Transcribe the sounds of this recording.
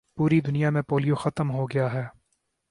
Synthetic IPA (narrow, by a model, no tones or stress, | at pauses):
puːɾid̪ʊnijamẽpoːlijoxɐt̪əmɦoɡɐjaɦɛː